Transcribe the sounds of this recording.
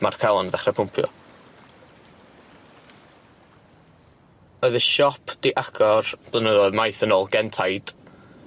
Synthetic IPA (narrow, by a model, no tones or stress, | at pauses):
markʰalˠɔnðɛχrɛpʰʊmpʰjɔ̰ | ɔɨðəʃɔpʰd̥iʔaɡʰɔrb̥lˠənəðɔmajθənoːlˠɡɛntʰajd̥